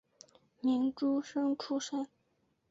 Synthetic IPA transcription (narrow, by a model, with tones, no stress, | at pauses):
mi˧˥nʈ͡ʂu˥ʂɤ˥ŋʈ͡ʂʰu˥ʂə˥˦